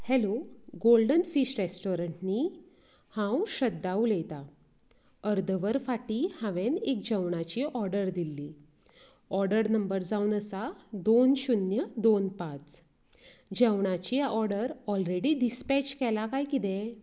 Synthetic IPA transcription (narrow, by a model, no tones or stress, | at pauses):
hɛloɡolɖənfiɕɾesʈoɾəɳʈniː | hãwɕəd̪ːaulet̪a | əɾd̪ʱəʋəɾfaʈiːhãʋẽnek̚d͡ʑəwɳat͡ɕiʔɔɾɖəɾd̪ilːiː | ɔɾɖəɾnəmbəɾd͡zaunəsad̪onɕunjəd̪onpat͡s | d͡ʑəwɳ̃at͡ɕiʔɔɾɽəɾɔlɾeɽiɖispɛt͡ɕkɛlakajkit̪ɛ̃